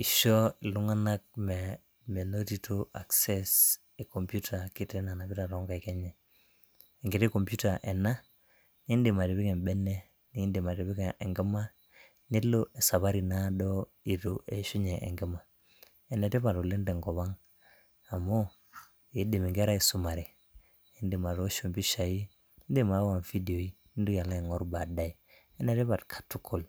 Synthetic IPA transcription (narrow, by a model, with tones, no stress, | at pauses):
i˨ʃɔ˦i˨lu˦ŋa˦na˦k̚mɛ˨ | me˨no˦ti˦to˦ʔa˨ksɛ˦s | e˨ko˨mpju˦tʰa˨ki˦te˦na˨na˨bi˦ta˨ɾɔ˨˦ŋɡa˨i˨kɛ˦ɲɛː˨ | ŋɡɪ˨te˦ko˨mpju˦ta˨ʔɛ˨na˦ | ni˦de˨ma˨ɾe˨βi˦kɛ˨mbɛ˦nɛ˦ | ni˨˦nde˨ma˨ɾe˨bi˦ke˨ʔe˨ŋɡɛ˦ma˦ | ni˦lo˦ʔe˨sa˨βa˦ɾi˨na˦dɔ˦ | i˨to˨e˨ʃu˦ɲe˨ʔḛ˨ŋɡi˦ma˨ | e˨ne˨te˦βa˨to˨li˦nde˨ŋɡo˨βa˦ŋ | a˨mo˦ | i˨˦di˨mi˨ŋɡe˦ɾa˦i˨su˨ma˨ɾi˨ | i˦ndi˨ma˨ɾo˦ʃu˨mbi˦ʃa˨ji˦ | i˦ndi˦˨ma˨˦wa˨nfi˦di˨o˨i˦ | ni˦ndu˦ja˨la˦e˨ŋo˦ɾba˨da˦i˨ | e˦ne˨te˦βa˨tkʰḁ˨tu˦kʰo˨l